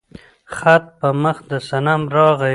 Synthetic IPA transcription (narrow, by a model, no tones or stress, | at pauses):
xat̪̚pəməxd̪əsanamɾɑɣa